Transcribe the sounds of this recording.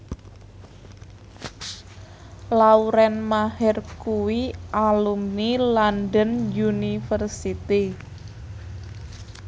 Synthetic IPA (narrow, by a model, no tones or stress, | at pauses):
lauɾɛnmahɛrkuwiʔalumnilandənjunifərsit̪i